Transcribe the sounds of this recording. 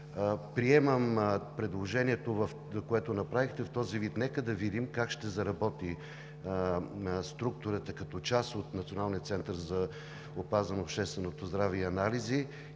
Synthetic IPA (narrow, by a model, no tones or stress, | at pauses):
pɾiɛməmpɾɛd̪lˠoʒɛniɛt̪ovɐf | koɛt̪onɐpɾavixt̪ɛft̪ɔzivit̪nɛkəd̪ɐvid̪imkakʃt̪ɛzɐɾɐbɔt̪i | st̪ɾuk̚t̪ʊɾət̪ɐkɐt̪ɔt͡ʃasot̪nɐt̪sionalˠnijət̪sɛnt̪əɾzɐ | opazənːpʃt̪ɛst̪vɛnot̪ozd̪ɾaviɐnalizi